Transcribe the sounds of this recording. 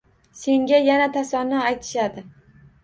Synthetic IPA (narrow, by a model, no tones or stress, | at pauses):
se̞ŋɡʲajanat̪ʰasɒɾnːɪajt̪ʰɪ̥ʃad̪ɪ